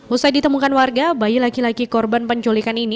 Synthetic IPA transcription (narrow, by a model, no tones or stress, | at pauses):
husajdit̪əmukanwarɡabajilakilaɡikɔrbanpəɲt͡ʃolikanini